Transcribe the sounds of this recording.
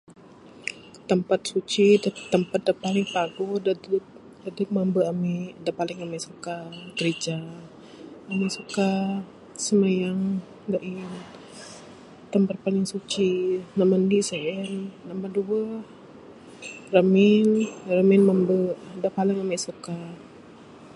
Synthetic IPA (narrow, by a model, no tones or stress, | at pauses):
t̪əmpat̪̚sut͡ʃidt̪ːəmpat̪̚dapalɪŋpaɡoda | dadək̚mambəamɛʔdaʔpalɪŋamɛʔsukaɡɾid͡ʒa | amiʔsuka | səmajaŋ | daʔin | t̪əmpat̪̚palɪŋsut͡ʃinamandiseʔɛnːamanduə | rəmɪnrəmɪnmambəʔdaʔpalɪŋamɛʔsuka